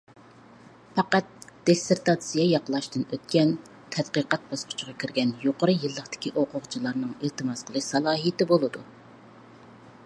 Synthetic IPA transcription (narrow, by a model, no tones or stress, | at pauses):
fɑqɑt̪̚d̪̥eseɾt̪ɑt̪sijɑjɑqəlˠɑʃt̪ɨnøt̪̚kʲɛn | t̪ʰɛd̪̥qəqɑt̪̚bɑsqʰʊ̥t͡ʃʰʁɑkʲʰiɾɡʲɛnjoqəɾɨjɨlˠːəqt̪ɪ̥kʲiʔoqʊʁt͡ʃʰilˠɑɾnɨŋelt̪ɨmɑsqʰəlˠɨʃsɑlˠɑːɦijt̪ɪbolˠɨd̪u